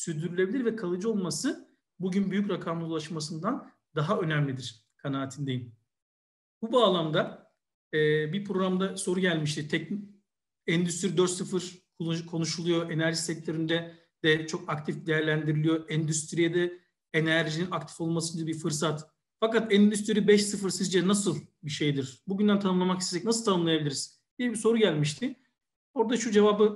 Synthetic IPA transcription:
syɾd̪yɾylʲebilʲiɾvɛkʰalˠɯd͡ʒɯo̞lˠmasɯ | buɟynbyjycɾakʰamˠɯulˠaʃmas̬ɯnd̪an | d̪aɦaø̞næmlʲid̪iɾ̥ | kʰanaːt̪ʰɯnd̪e̞jim | bubaːlˠamd̪a | ɛːbipʰɾo̞ɾamd̪aso̞ɾuɟælʲmiʃ̬t̪ʰit̪ʰɛc | ɛnd̪yst̪ʰiɾid̪øɾt̪sɯfɯɾ | kʰo̞nuʃulˠujo̞ʔe̞næɾʒisɛc̚t̪ʰø̞ɾynd̪ɛ | d̪̥ɛt͡ʃʰo̞kakt̪ʰifd̪ejæɾlʲænd̪iɾilʲijo̞ɛnd̪yst̪ʰɾijɛd̪ɛ | enæɾʒininakt̪ʰi̥fo̞lˠmasɯɟ̪d̪abiɾfɯɾs̬at̪ | fakat̪ɛnd̪yst̪ʰiɾibɛʃsɯfɯɾsizd͡ʒɛnasɯlˠbiʃe̞jd̪iɾ̥buɟynd̪ænt̪ʰanɯmlˠamakist̪eɛcnasɯlˠt̪ʰanɯmlˠjabilʲiɾiz̥ | d̪̥ijɛbiso̞ɾuɟælʲmiʃt̪ʰɪ | o̞ɾd̪aʃud͡ʒe̞vaːbɯ

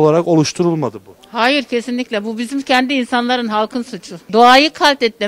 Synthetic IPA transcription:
olˠaɾako̞lˠuʃt̪ʰuɾulˠmad̪ɯbu | haːjiɾcʰe̞sinlʲicʲlʲɛbubizimcʰɛnd̪iːnsanlˠaɾɯnɦalˠkʰɯnsut͡ʃʰud̪oaːjɯkʰalʲt̪ɛt̪lːʲe

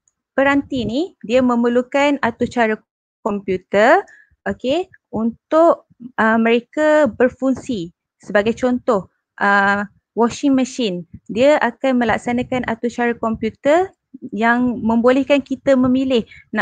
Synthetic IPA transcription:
pəɾant̪inidiəmə̃məlukanat̪ut͡ʃaɾa | kɔmpjut̪ər | ʔoke | unt̪ʊʔ | ʔəmə̃ɾekabərfuŋsi | səbaɡajt͡ʃɔnt̪ɔh | ʔə | wɔʃɪŋməʃɪndiaʔakanmə̃laksanakanat̪ut͡ʃaɾakɔmpjut̪ər | jaŋmə̃mbolɛhkankit̪amə̃milɪhna

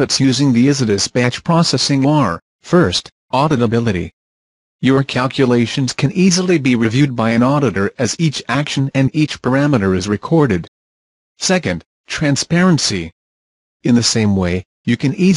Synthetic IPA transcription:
ɨtsjʉzɪ̃ŋðiɪzɨɾɨsb̥æt͡ʃpʰɹ̥ɔsɛsɪ̃ŋəɹ | fɜ˞st | ʔɑɾɨɾəbɪlˠɨɾḭ | jə˞kʰælˠkʰjɨleɪʃɨ̃n̩z̥kʰɨ̃nizl̩ˠibiɹɨvjʉd̚baɪɨ̃nɔɾɨɾə˞ʔɨzit͡ʃækʃɨ̃nɨ̃nit͡ʃpʰə˞æmɨɾə˞ɨzɹɨkʰɔɹɾɨd̥ | sɛkɨ̃nd̥ | tʰɹ̥æ̃nspɛɹɨ̃nsi | ɨ̃nðɨsẽɪ̃mweɪ | jɨkɨ̃ni

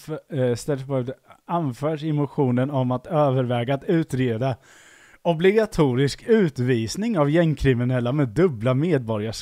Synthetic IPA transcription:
st̪ɛlspːd̪anfœːʂɪmʊɧuːnənɔmat̪øːvəɾvɛːɡaːt̪ʉ̟ːt̪ɾeːd̪a | ɔblɪɡat̪ʰuːɾɪskʉ̟ːt̪viːsnɪŋavjɛŋkʰɾɪmɪnɛlːamɛd̪ɵblameːd̪̚bɔɾjaʂ

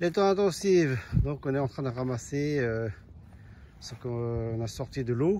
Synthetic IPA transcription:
let̪ɑ̃ɛ̃t̪ɑ̃sivd̪ɔ̃kɔ̃nɛɑ̃t̪χɛ̃d̪əʁamaseø | səkɔ̃nasɔʁt̪id̪əlo

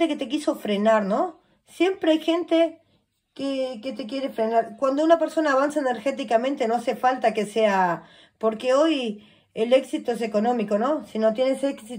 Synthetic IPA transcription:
t̪eket̪ek̬iso̞fɾenaɾno̞ | sje̞mpɾeajxe̞nt̪e | keket̪e̞k̬je̞ɾefɾe̞naɾkwand̪ounape̞ɾso̞naːβansaene̞ɾxe̞t̪ikamẽnt̪e̞no̞ase̞falt̪ake̞se̞a | poɾkeo̞j | ele̞ksit̪oes̬e̞ko̞nõ̞miko̞no̞sino̞t̪je̞neseksi

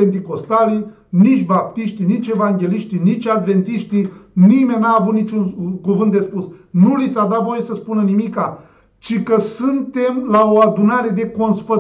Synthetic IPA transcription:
ent̪̬iko̞st̪ali | nit͡ʃʲbap̚t̪iʃt̪init͡ʃe̞vaŋɡʲe̞liʃt̪init͡ʃʲad̪ve̞nt̪iʃt̪inimenʲnaːvut̪nit͡ʃunkuvɨnt̪d̪e̞spusnulisad̪at̪vo̞jesəspunənimika | t͡ʃikəsɨnt̪e̞mlaoad̪unaɾe̞d̪e̞ko̞nsfə

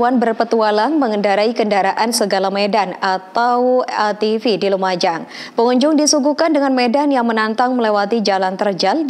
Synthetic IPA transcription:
wanbərpət̪ualanməŋəndaɾaikəndaɾaʔansəɡalamedanat̪awt̪ifidilumad͡ʒaŋ | pəŋuɲd͡ʒʊŋdisuɡukandəŋanmedanjaŋmənant̪aŋməlewat̪id͡ʒalant̪ərd͡ʒald

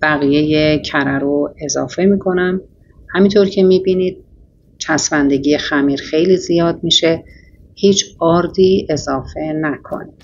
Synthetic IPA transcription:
b̥æɣije̞je̞cʰæɾæɾoe̞zɒ̰ːfe̞miːkʰo̞næm | hæmint̪ʰoɾcʰe̞miːbiːnid̪̥̚ | t͡ʃʰæsmænd̪e̞ɟijexæmiːɾxe̞jliːzijɒːd̪̚miːʃe̞ | hiːt͡ʃʰɒːɾd̪iːe̞zɒːfe̞nækʰo̰nid̪̥

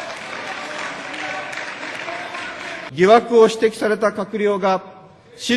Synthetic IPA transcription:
ɡʲiβakɯ̟o̞ɕi̥t̪e̞kʲi̥saɾe̞t̪akakɯ̟ɾʲo̞ːɡa | ɕi

